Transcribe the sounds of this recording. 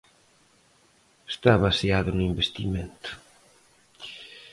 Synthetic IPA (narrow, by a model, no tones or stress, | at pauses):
st̪aβaseaðʊnʊimbest̪iment̪ʊ̥